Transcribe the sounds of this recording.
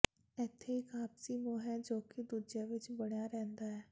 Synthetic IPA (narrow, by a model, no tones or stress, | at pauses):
ɛːt̪ʰːeːɪkaːpsiːmõːɦɛːd͡ʒoːkɪd̪uːd͡ʒaːʋɪt͡ʃbəɽjaːɾɛ̃ːnd̪aːɦɛː